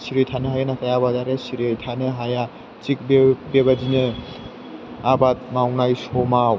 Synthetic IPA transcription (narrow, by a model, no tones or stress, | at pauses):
siɾetʰanɯɦajanatʰajabadaɾesiɾejtʰanɯɦaja | t͡ʃik̚bebeβad͡ʒinɯ | abat̪̚mawnajsɔmaw